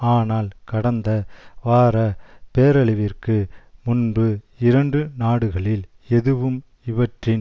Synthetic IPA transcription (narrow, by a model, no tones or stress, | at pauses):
aːnaːlkɐɽɐnd̪ɐʋaːɾɐpeːɾɐɭɪʋɪrkɯmʊnbɯ | ɪɾɐɳɖɯnaːɽɯɣɐɭɪl | ɛðɯʋɯm | ɪʋɐʈrɪn